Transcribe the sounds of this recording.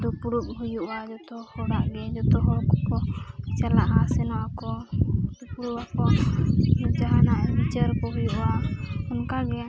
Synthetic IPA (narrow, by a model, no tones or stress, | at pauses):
d̪upuɾup̚hujuʔwad͡ʒɔt̪ɔhɔɽaʔɡɛd͡ʒɔt̪ɔɦɔɽkɔkɔt͡ʃɛlaʔɦaʔsɛnɔʔakɔd̪upuɾupakɔ | ud͡ʒaɦanaʔbit͡ʃaɾkɔɦujuʔaɔnkaɡɛ